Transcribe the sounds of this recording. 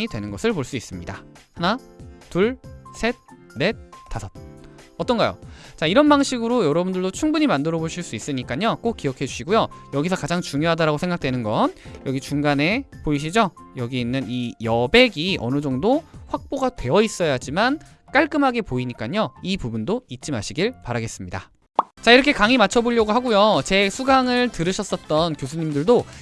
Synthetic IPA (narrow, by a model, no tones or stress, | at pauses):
idwe̞nɯnɡʌsʰɯɭpoɭs͈uis͈ɯmɲidahanatuɭsʰe̞t̚ | ɾe̞t͈ʰasʰʌt̚ | ʌt͈ʌnɡajo̰t͡ɕaiɾʌnbaŋɕʰiɡɯɾojʌɾʌbundɯɭdot͡ɕʰuŋbuɲimandɯɾʌboɭɕ͈iɭs͈uis͈ɯɲik͈aɲok͈ok͈ijʌkʰe̞d͡ʑuɕʰiɡujojʌɡisʰʌkad͡ʑaŋt͡ɕuŋjoɦadaɾaɡosʰe̞ŋɡak̚t͈wenɯnɡʌnjʌɡit͡ɕuŋɡane̞poiɕ̬ʰid͡ʑojʌɡiinːɯnijʌbe̞ɡiʔʌ̰nɯd͡ʑʌŋdoɸwak̚p͈oɡatwe̞ʌis͈ʌjad͡ʑiman | k͈aɭk͈ɯmɦaɡe̞poiɲik͈aɲoipubundoit̚t͡ɕ͈imaɕʰiɡiɭpaɾaɡe̞s͈ɯmɲida̰ | t͡ɕaiɾʌkʰe̞kaŋimat͡ɕʰʌboʎjʌɡɯɦaɡujot͡ɕe̞sʰuɡaŋɯɭtɯɾɯɕʰʌs͈ʌt̚t͈ʌnkjosʰuɲimdɯɭdo